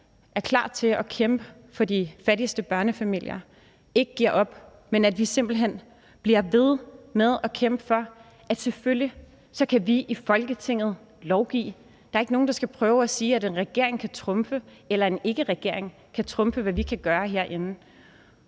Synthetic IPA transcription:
ʔæɐkʰlɑ̰̈ːt͡sʰe̝lɒ̽kʰemb̥ə | fɒ̽difæɾisd̥əb̥ɶɐnəfæmil̰jɐ | e̝ɡ̥əɡ̥iɐ̰ʔɒ̽b̥ | menæd̥ʋise̝m̰b̥l̩ɦen̰ | b̥liɐʋe̝ð̞ˠmeð̞ˠɒ̽kʰem̰b̥ə̥fɒ̽ | ʔæd̥se̝følji | sɒ̽kʰæʋiʔifɒ̽lɡ̥ət͡sʰe̝ŋ̰ð̞̩ˠ | lɒʊɡ̥ḭː | d̥ɑ̈ɐe̝ɡ̥noːn̩d̥ɑ̈sɡ̥æpʰʁœːʊæsiːæɾe̝nʁɛɡ̥e̝ɐ̰e̝ŋkʰæt͡sʰʁɔ̽mfə | elɐe̝ne̝ɡ̥əʁɛɡ̥e̝̰ɐ̰eŋ | kʰæt͡sʰʁɔ̽mfəʋæʋikʰæɡ̥ɶːɐɦe̝ɐ̰ʔe̝nn̩

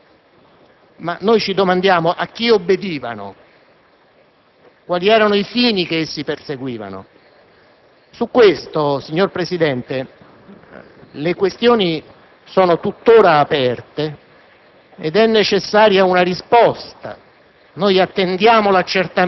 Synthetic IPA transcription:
manːojt͡ʃid̪omand̪jaːmoʔak̟ːiobːed̪iːva̰no̰ | kwaːliɛːɾanoifiːnikeesːiperseɡwiːva̰no̰ | sukːwest̪osiɲːorpɾesid̪ɛnt̪e | lekwest̪joːni | sɔːnot̪ut̪ːoːɾaːpɛrt̪e | ed̪ɛnːet͡ʃesːaːɾjaunarispɔst̪a̰ | nojat̪ːend̪jaːmolat͡ʃːert̪a

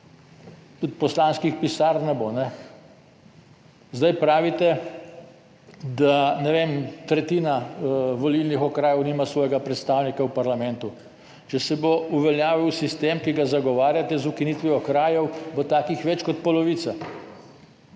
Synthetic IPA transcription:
t̪ut̪̚pɔslaːnskixpisaɾnɛbonɛ | zd̪ajpɾaːʋit̪ɛ | d̪anɛʋemt̪ɾɛt̪iːnaʋɔlilnixɔkɾaːjɛwniːmasʋɔːjɛɡapɾɛt̪st̪aːwnikawpaɾlamɛnt̪u | t͡ʃɛsɛbouʋɛljaːʋiwsist̪emkiɡazaɡɔʋaːɾjat̪ɛzukinit̪ʋiɔkɾaːjɛwbot̪aːkixʋɛt͡ʃkɔt̪̚pɔlɔʋiːt̪sa

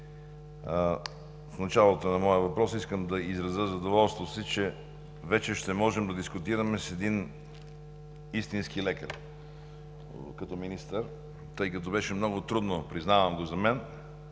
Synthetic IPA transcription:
fnɐt͡ʃalˠot̪onɐmɔjəvɐpɾɔsiskəmd̪ɐizɾɐzəzɐd̪ovɔlˠst̪vosit͡ʃɛ | vɛt͡ʃɛʃt̪ɛmɔʒɛmd̪ɐd̪iskʊt̪iɾɐmɛsɛd̪in | ist̪inskilɛkə̰ɾ | kɐt̪ɔminist̪əɾ | t̪ɤjkɐt̪̬ɔbɛʃɛmnɔɡʊt̪ɾud̪nopɾiznavɐmɡozɐmɛn

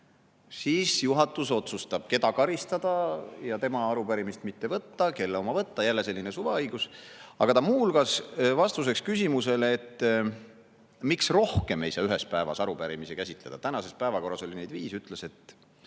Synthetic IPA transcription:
siːsjuɦɑt̪ːˑuso̞t̪sust̪ɑb̥̚ke̞d̪ɑkɑɾist̪ɑd̪̥ɑjɑt̪e̞mɑɑɾupæɾimist̪mit̪ːe̞vɤt̪ːɑke̞lːeo̞mɑvɤt̪ːɑjælːe̞selːinesuveɤjɡ̥usɑɡ̥ɑt̪ɑmuːlɡ̥ɑsvɑst̪us̬e̞kskysʲimuse̞lːt̪ː | miksro̞hke̞mejsɑːyɦe̞spæevɑ̰sɑɾupæɾimisekæsʲit̪le̞d̪̥ɑt̪ænɑse̞spæevɑko̞rːɑso̞lʲine̞jd̪viːsyt̪ˑlese̞t̪ːˑ

